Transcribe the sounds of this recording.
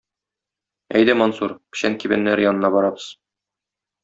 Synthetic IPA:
æ̰jd̪æmonsuɾkɘ̥̆ɕænkibænːæ̰ɾjɒnɤ̆nɑbɒɾɑbɤ̥z̥

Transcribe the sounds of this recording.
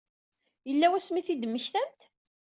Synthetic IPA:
jəlːæwæsmiθid̪əmːəçθæmt̪

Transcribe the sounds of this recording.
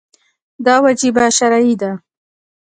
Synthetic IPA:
d̪ɑwad͡ʒibaʃaɾɑid̪a

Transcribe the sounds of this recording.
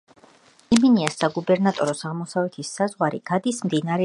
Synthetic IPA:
ɛminiasːaɡubɛɾnat̪ʼɔɾɔsaʁmɔsavɛt̪ʰisːazʁwaɾḭɡ̥ad̪ismd̪inaɾɛ

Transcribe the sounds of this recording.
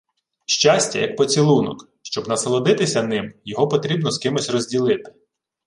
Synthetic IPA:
ʃt͡ʃasʲtʲɐ̰jɐk̚pɔt͡sʲilˠunɔ̰k | ʃt͡ʃɔbnɐsɐlˠɔd̪ɪt̪ɪsʲɐnɪmjɔɦɔpɔt̪ɾʲibnɔskɪmɪsʲrɔzʲdʲilˠɪt̪ɪ̥

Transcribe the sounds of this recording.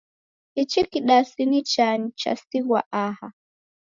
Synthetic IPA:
it͡ʃikiɗasinit͡ʃan̩t͡ʃa̰siɣwa̰ʔaha̰

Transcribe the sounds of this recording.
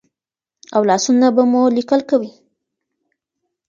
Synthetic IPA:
awlɑsunabamulikəlkawi

